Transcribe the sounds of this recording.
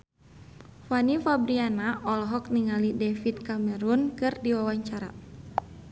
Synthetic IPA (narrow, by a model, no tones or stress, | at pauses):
fanifabɾianaʔɔlɦɔk̚niŋalidɛfit̪̚kamɛɾunkɨrdiwawaɲt͡ʃaɾa̰